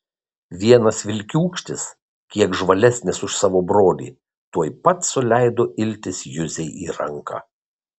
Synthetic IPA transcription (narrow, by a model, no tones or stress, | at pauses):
ʋʲiɛnɐsʋʲɪlʲkʲuːkʃʲt̪ʲɪs | kʲiɛkʒʋɐlʲɛsʲnʲɪsʊʃsɑːʋoːbɾoːlʲḭː | t̪uɔjpɐt̪sʊlʲæɪd̪oːʔɪlʲt̪ʲɪsjʊzʲɛɪʔiːɾɐŋkɑ̰ː